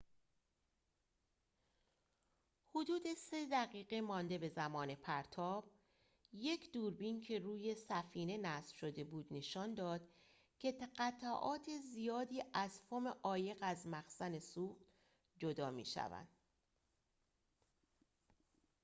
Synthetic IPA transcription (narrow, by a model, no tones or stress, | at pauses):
hod̪uːd̪e̞se̞d̪æɣiːɣemɒːnd̪e̞be̞zæmɒːne̞pʰæɾt̪ʰɒːb̥̚ | je̞kʰd̪uːɾbincʰe̞ruːje̞sæfiːne̞næsfʃo̞d̪e̞buːd̪ne̞ʃɒːnd̪ɒːd̪̥ | cʰe̞t̪ɢæt̪ʰæʔɒːt̪ʰezijɒːd̪iːʔæz̥fomeʔɒːje̞ɣæzmæxsæne̞suːχt̪ | d͡ʒod̪ɒːmḭːʃæ̰væ̰nd̪̥